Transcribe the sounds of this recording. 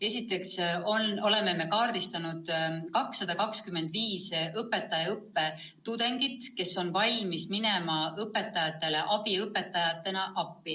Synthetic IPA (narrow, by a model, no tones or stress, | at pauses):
e̞sʲit̪ːˑe̞ksono̞le̞me̞me̞kɑːɾd̪̥ist̪ɑnud̪̥kɑksːɑd̪̥ɑkɑkskymːe̞nd̪̥viːsɤpːe̞t̪ːˑɑjɑɤpːe̞t̪ud̪̥e̞ŋɡ̥it̪ke̞so̞nvɑjmismine̞mɑɤpːe̞t̪ːˑɑjɑt̪ːˑe̞le̞ʔɑb̥iɤpːˑe̞t̪ːˑɑjɑt̪ːˑe̞nɑʔɑpːi